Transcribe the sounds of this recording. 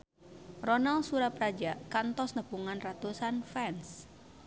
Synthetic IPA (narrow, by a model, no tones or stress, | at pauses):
rɔnalsuɾapɾad͡ʒakant̪ɔsnəpuŋanrat̪usanfɛns